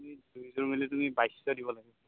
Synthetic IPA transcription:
midubʱizɔɹmilɛtumibajsɔdibɔlaɡɛ

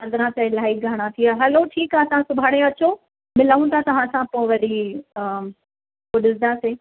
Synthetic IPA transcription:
ɐd̪ɾãtɐelaːik̚ɡʱaɽ̃at̪ʰiaɦɛloʈʰiːkaɐsãsʊbʱaːɽ̃eɐt͡ɕo | mɪlaːũt̪ʰat̪ɐʋ̤ãsãpoɪ̃ʋɐɗi | poɗɪsd̪aseː

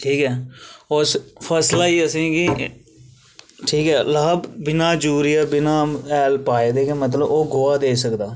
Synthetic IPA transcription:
ʈʰiːkɛːospʰəslaːiːəsĩːɡi | ʈʰiːkɛːlaːbbɪnaːd͡ʒuːɾiːaːbɪnãːɛːlpaːeːd̪eːkemət̪̬ləboːɡʊːaːd̪eːsəkd̪aː

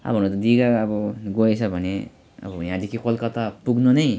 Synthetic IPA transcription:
a̰bʱʌnut̪ʌd̪iɡaːbʌɡoet͡sʰʌbʱʌne | ʌ̰bʌjãd̪ikʰikolkʌt̪apuɡnʌnʌj

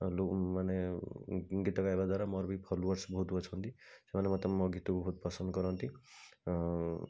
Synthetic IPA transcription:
lomane | ɡit̪ɔkaebad̪waɾamɔɾbʱipʰɔloɔɾsbɔɦut̪ɔt͡ʃʰɔnt̪isemanemat̪ɔmmɔɡit̪ɔkbʱɔɦut̪̚pɔsɔnd̪kɔɾɔnt̪i

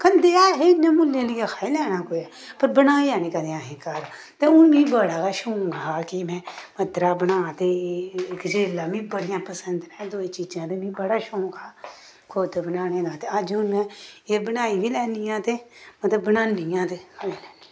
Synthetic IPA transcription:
kənd̪eːaːɦenːẽːmʊlːẽːlɪjeːxʰaːilɛːnaːkoːiɛː | pəɾbənaːiaːnĩːkəd̪eaːɦẽːkaːɾ | t̪eʊnbĩːbəɽaːkaʃõːɡaːkimɛ̃ːmət̪ɾaːbənaːt̪ekd͡ʒɾeːlaːmĩːbəɽɪjãːpəsə̃nd̪ɾɛ̃ːd̪oːiːt͡ʃiːd͡ʒãːd̪emĩːbəɽaːʃõːŋɡaː | kʰot̪ːbənaːnẽːd̪aːt̪eəd͡ʒʊnɛ̃eːbənaːiːbʱiːlɛːnijãːt̪eːmət̪ləbːənaːndijãːt̪ekaiːlɛːni

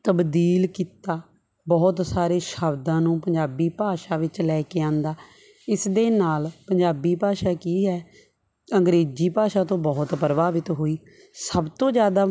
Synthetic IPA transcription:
t̪əbd̪iːlkiːt̪aː | bɔːt̪saːɾeːʃəbd̪ãːnũːpəɲd͡ʒaːbiːpaːʃaːʋɪt͡ʃlɛːkeːãːnd̪aː | ɪsd̪eːnaːlpəɲd͡ʒaːbiːpaːʃaːkiːɦɛː | əŋɡɾeːd͡ʒiːpaːʃaːt̪õːbɔːt̪pəɾəbaːʋɪt̪ɦoːiː | səbt̪õːd͡ʒjaːd̪aː

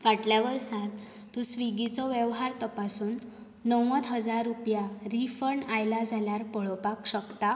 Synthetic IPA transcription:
ʋaʈljaʋəɾsãt̪ː | ũsʋiɡit͡sɔʋjɛʋɦaɾt̪əpasuːnː | əwʋət̪ɦəd͡zaɾːupjaɾifəɳajlad͡zʱaljaɾpəɭɔpakɕəkt̪a

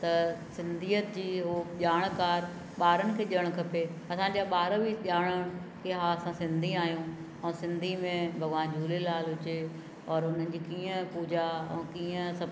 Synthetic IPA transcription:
t̪ɐsɪ̃nd̪ʱiːət̪d͡ʑiːɦoʄaːɽ̃kaːɾ | ɓaːɾənɪ̆kʰeːʄiəɽ̃kʰɐpeɐsãːɲd͡ʑaɓaːɾəbiʄaːɽ̃əɽ̃keɦaɐsãsɪ̃nd̪ʱiaːɦijũ | ɛ̃ːsɪ̃nd̪ʱimẽbʱɐɡãːd͡ʑʱuːlelaːlɦʊt͡ɕe | ɔːɾʊn̤ənɪ̆d͡ʑiːkiːə̃puːd͡ʑaɛ̰̃ːkiːə̃sɐ

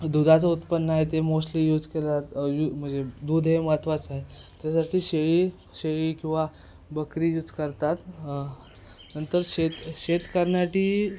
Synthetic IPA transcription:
d̪ud̪ʱat͡səut̪pənːaɦet̪emoslijud͡zkelat̪jum̤əɳd͡zed̪ud̪ʱɦemət̪ʰʋat͡saɦet̪jasaʈiːɕeɭiː | ɕeɭiːkĩw̃ʋa | bəkɾiːjud͡zkəɾt̪at̪ | nənt̪əɾɕet̪ɕet̪kəɾɳjaʈiː

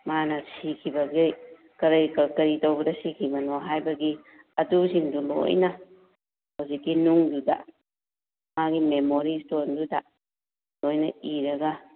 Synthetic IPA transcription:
manɐsikʰibɐɡi | kɐɾjkɐkɐɾitɐwbɐdɐsikʰibɐnoɦajbɐɡi | ɐdusiŋdulo̰jnɐ | hawzikːinuŋdudɐ̰ | maɡimemoɾistoɾndudɐ | lojnɐiɾɐɡɐ

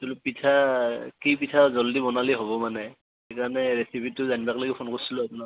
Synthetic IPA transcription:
tulupitʰakipitʰazɔldibɔnaliɦoβɔmanɛ | ekaɹanɛɹesipʰitːʊzanibakloɡɛpʰonkoɹsilɔapuna

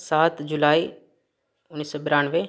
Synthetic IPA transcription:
saːt̪d͡ʑulaːi | ʊnːiːsɔbɪɾaːnʋe

